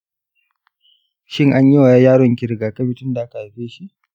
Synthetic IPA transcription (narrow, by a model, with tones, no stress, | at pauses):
ʃɪ˦ŋʔa˦ɲji˦wa˨jaː˦jaː˦ɽɔ˨ŋkʲɪ˨ɾɪ˨ɡaː˨kɐ˦bi˨tʊ˦nda˨ʔa˦ka˨a˨ɸeː˦ʃi˦ʔ